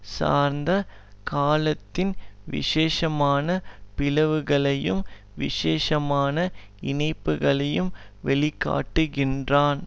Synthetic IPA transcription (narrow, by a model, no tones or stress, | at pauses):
sa̰ːɾnd̪ɐ | kaːlɐt̪ːɪnʋɪ̰ʂeːʂɐmaːnɐpɪlɐʋɯɣɐɭɐjɯm | ʋɪ̰ʂeːʂɐmaːnɐ | ɪnɐɪpːɯɣɐɭɐjɯmʋɛɭɪkːa̰ːʈːɯɣɪndraːn